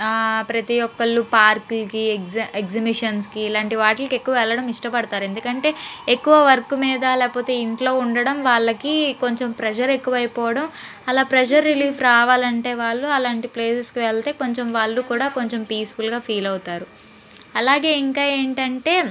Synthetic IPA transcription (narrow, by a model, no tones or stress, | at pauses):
pɾɐt̪ijɔkːɐɭːupaːɾklkieɡzɐbiʂɐnskiːlaːɳʈiʋaːʈlɐke̞kːuʋɐʋɛɭːɐɽɐmiʂʈɐpɐɽɐt̪aːɾue̞nd̪ukɐɳʈe̞ːekːuʋɐʋɐɾɐkumiːd̪ɐlɛːkɐpɔːt̪e̞ːiɳʈlo̞ːuɳɖɐɽɐmʋaːɭːɐkiko̞ɲt͡ʃe̞mpɾɛd͡ʒɐɾe̞kːuʋɐjpɔːʋɐɽɐmɐlaːpɾɐd͡ʒɐɾːiliːpʰɾaːʋaːlɐɳʈe̞ːʋaːɭːuɐlaːɳʈipleːseskiʋɛɭt̪e̞ːko̞ɲt͡ʃemʋaːɭːukuːɽaːko̞ɲt͡ʃe̞mpiːsfulɡaːpʰiːlɐwt̪aːɾu | ɐlaːɡe̞ːiŋkaːe̞ːɳʈɐɳʈe̞ː